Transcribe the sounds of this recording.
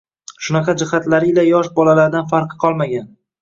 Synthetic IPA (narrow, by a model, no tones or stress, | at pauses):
ʃʊnɑqɑd͡ʒɪχat̪laɾɪlajɒʃbɒlalaɾd̪anfaɾqʰɨ̥qʰɒlˠmaɡʲan